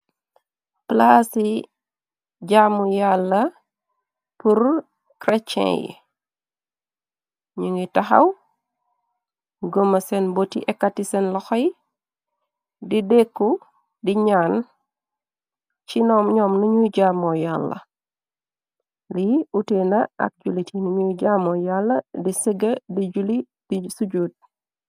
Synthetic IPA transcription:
plasi | ɟamːujalːɐ | puɾ | kɾɛt͡ʃːɛ̰̃jḭ | ɲuŋitɐxɐ̰w | ɡomɐsɛnbotḭʔɛkːatisɛnlɔxɔj | didekːu | diɲaːn | t͡ʃinɔːmɲɔmnuɲuɟamɔjalːɐ̰ | liutenɐɐ̰k̚ɟulitinuɲuɟamɔjalːɐdisəɡɐdid͡ʒuli | d̥isuɟuːd̚

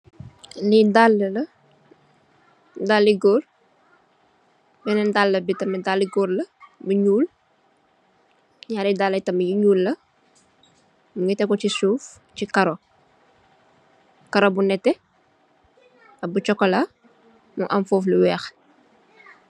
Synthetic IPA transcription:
lidalːɐ | dalːiɡɔl | bɛnɛndalːɐbitɐmɐdalːiɡɔːɾlɐbɐɲuːl | ɲaːɾidaːlːɐtɐmɐjiɲuːlːɐ | muŋɡitɛkːɔcisuːf | t͡ʃikɐɾo | kɐɾobunɛtːɛ | ɐbut͡ʃɔkːɐlɐ | muʔɐmfɔːfliwɛːx

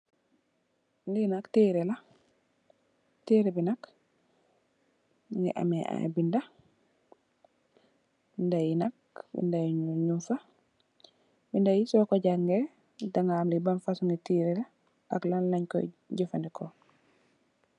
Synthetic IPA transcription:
ŋɡinaktiːɾɛla | tiːɾebinak | ŋɡɛ̰ʔa̰mɛʔa̰binda | ndajinak̚ | bḭndajɲumfa | bindajisɔːkɔɟakŋɡɛ | daŋaːmlibanfasuŋɡitiːɾɛla | a̰klanlaɲkɔ̰ɟifandikʰo

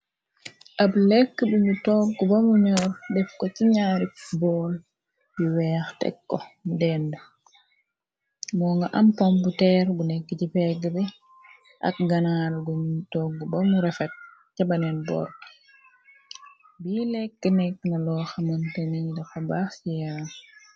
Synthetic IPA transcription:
ʔablɛkːəbuɲutɔɡːubɐmuɲɔːɾdɛfkɔciɲaːɾik̚bɔːl | jiwɛːxtɛ̰kːɔmudɛndə | mɔːŋɡɐʔɐmpɔmbutɛːɾbulɛkːəcipɛɡːəbɛ | ʔa̰k̚ɡɐnaːlɡɔmuutɔɡːubɐmuɾɛfɛt̚ | cabɐnɛnbɔ̰ːɾ | bilɛkːənɛkːŋɐlɔxamɐntɐnidɐfɐbaːxsijaːn

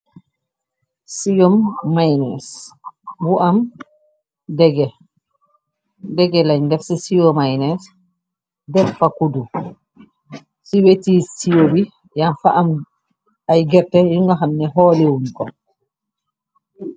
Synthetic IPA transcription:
sijomːajnɛ̰s | buʔam | dɛɡɛ | dɛɡɛlaɲndɛfsisijɔmajnɛs | dɛffakudu | siwetisijobi | janfa̰ʔam | ajɡɛɾtɛjuŋɡaɦamnɛɦɔlewunkɔ̰

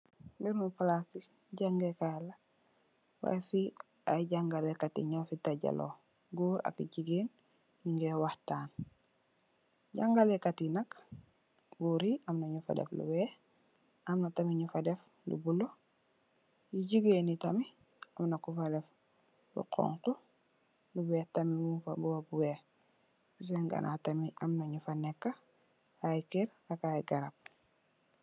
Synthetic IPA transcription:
biɾmuplasis | ɟaŋɡekala | wa̰jfi | aɟaŋɡalekatḭɲofitaɟa̰lo̰ | ɡuːɾa̰kiɟiɡeːn | jiŋɡewahtaːn | ɟaŋɡalekatinak | ɡuːɾiʔamnaɲufa̰dḛflṵwɛː | amnɐtamiɲufadef | lṵbulo | jiɟiɡenitɐmi | amnɐkufadɛf | lṵqʰɔ̰ŋqu | lubɛtamimufa̰buwabuwe | sis̬eŋɡa̰nʔa̰tamiʔamnɐɲufanɛkːa | ajkeɾakajɡaɾap̚

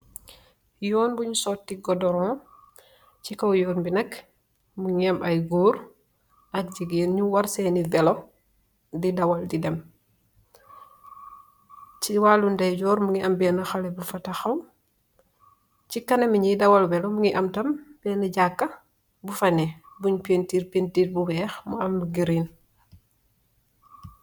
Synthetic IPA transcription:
jɔːnbuɲusɔtːiɡɔdɔɾɔ̃ | cikɐwjɔːnbinɐk | muɲiɐmʔɐjɡuːɾ | ʔɐk̚d͡ʒiɡenɲuwɐɾsenivɛlo | didɐwɐldidɛm | t͡ʃiwaːlundɐjɟɔːɾmuŋiʔɐmbɛnɐxɐlɛbufɐtɐxɐw | t͡ʃikɐnɐmiɲidɐwɐlvɛlomuŋiʔɐmtɐmb̥ɛːnɐɟakːɐ | bufɐnɛbuɲpentiːɾpentiːɾ̚buwɛːxmuɐmɡiɾin

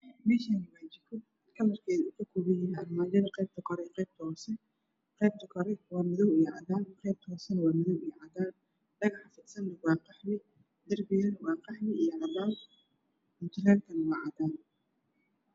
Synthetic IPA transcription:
mɛːʃaːnɐwaːt͡ʃɪkʰɔ | kʰɐlɐrkʰɛːðukʰɐkʰuβɪjɪɐrmaːd͡ʒɐðɐqɛjb̚t̪ʰɐkʰɔɾɛqɛjb̚t̪ʰɐhɔːsɛ | qɛjb̚t̪ʰɐkʰɔɾɛwɑːmɪðɔwiːjʕɑ̰ðaːnqɛjb̚t̪ʰɐɦɔːsɛnɐwɑːmɪðɔwiːʕɑd̪aːn | ɖɐɣɑħfɪd̪sɐnd̪ɐwɑːqɑħmɪ | d̪ɐrbɪjɐnwɑːqɑħmɪijɐʕɑðaːn | ɪnt̪ʰɪlɛːlt̪ʰɐnɐwɑːʕɑd̪aːn

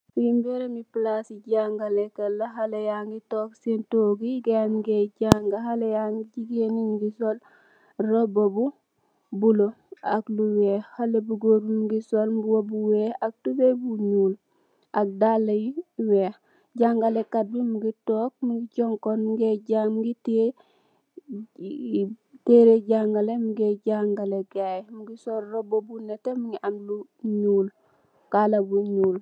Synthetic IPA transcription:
wimbeɾemiplasiɟaŋɡalekɐlːaɦalejaŋɡitoːksentoːɡiɡenɡeɟaŋɡahalejaŋɡiɟiɡeninɡisol | robobu | bulo | akluweːhalebuɡoːɾumɡisolbuwobuweːak̚tubebuɲuːl | ak̚dalajiwe | ɟaŋɡalekabimuɡitoːk̚muŋɡiɟɔŋkonmuɡeɟamɡite | teɾeɟaŋɡalemuɡeɟaŋɡaleɡajmuɡisoɾɾobobunetemuŋɡiʔanluɲuːl | kalabuɲuːl

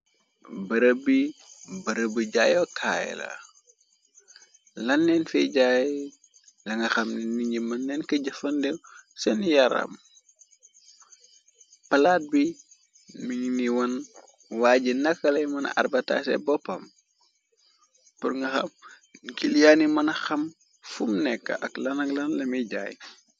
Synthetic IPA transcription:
bɐɾəbibɐɾəbiɟaːjɔkʰa̰j̰la̰ | lɐnːɛnfɛɟaj | lɐŋɡɐxɐmniɲɟimɐnːɛnkɐɟɐfɐndɛwsɛnjɐɾa̰m | pɐlaːt̚bi | miɲniwɐn | waːɟinɐkːɐlɐjmɐnɐ̰ʔɐ̰rbɐta̰sɛ̰bɔpːɐm | purŋɡɐxɐ̰m | kiljaːnimɐnɐxɐm | fumnɛkːɐ̰ʔɐklɐnɐklɐnlɐmiɟa̰ːj

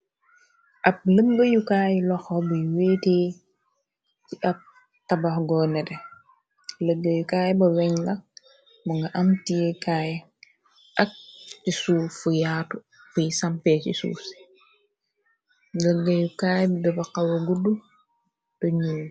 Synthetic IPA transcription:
ʔɐp̚ləɡɡəjukaːjlɔxɔbəjweːteː | t͡ʃiʔɐp̚ | tabɐxɡɔːnɛtɛ | ləɡːəjukaːjbɐwɛɲlɐ | buŋɡɐʔɐmtijɛkaːj | ʔɐk̚tisuːfujaːtu | fujisampɛːt͡ʃisṵːs | ləɡːəjukaːjbidɐbɐqawɐɡudu | d̥ɔɲuː

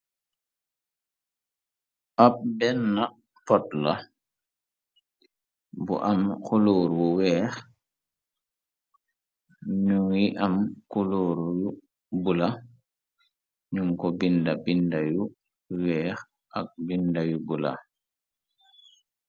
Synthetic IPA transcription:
ʔap̚bɛnːa | pɔtla | bṵʔamkuluːɾwuwɛːx | ɲuŋwiʔamkuluːɾju | bula | ɲuŋkɔbindabindaju | wɛːx | ʔak̚bindajubula̰

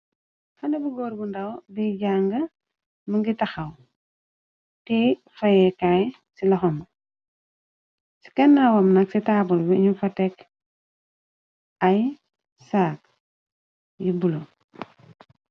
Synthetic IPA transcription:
xɐndɐbuɡoːɾɡundɐwbiɟaːŋɡɐ | məŋɡitaxɐw | ti | fajɛkaj | silɔxɔm | si̥kɐnːawɐmnɐksitaːbulbiɲufɐtɛk | aj | saːk̚ | jibulo

